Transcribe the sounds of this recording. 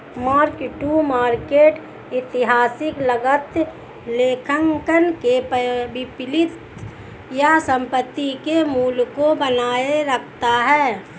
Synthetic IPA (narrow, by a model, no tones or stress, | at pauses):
maːɾkʈumaːɾkeːʈ | ɪt̪ɪɦaːsɪkləɡət̪ | leːkʰəŋkənkepəbɪpɪlɪt̪ | jasə̃mpət̪ːikemuːlkobənaːeɾəkʰt̪aɦɛː